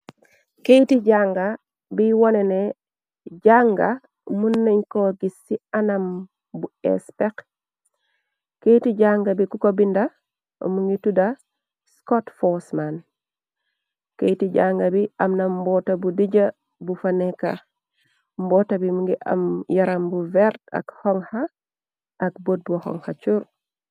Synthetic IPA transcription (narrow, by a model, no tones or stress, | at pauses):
kejtiɟaŋɡa | biwonene | ɟaŋɡa | munːeɲkoɡisːianam | buḛspek | kejtiɟaŋɡabikukobinda̰ | muŋɡituda | skotfosman | kejtiɟaŋɡabiʔamnambɔtabudiɟa | bufaneka | mbɔtabimuŋɡiʔa̰mjaɾambuvɛɾta̰khɔŋha | ʔak̚bot̚buhɔ̰ŋhat͡ʃuɾ